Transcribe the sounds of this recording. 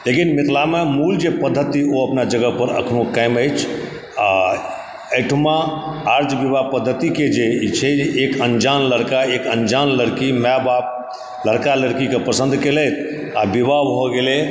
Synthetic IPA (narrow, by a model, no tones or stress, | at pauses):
lekinmit̪lamemuld͡ʒepəd̪ʱːət̪ioəpnad͡ʒəɡəpəɾə̰kʰnokəɪməɪt͡ʃʰ | a | əɪʈʰmaaɾd͡ʒbibapəd̪ʱːət̪iked͡ʒet͡ʃʰɛekənd͡ʒanləɾkaekənd͡ʒanləɾkimɛbap̚ | ləɾkaləɾkikepɾəsə̃nd̪ʱkelɛt̪ʰ | abibabɦoɡele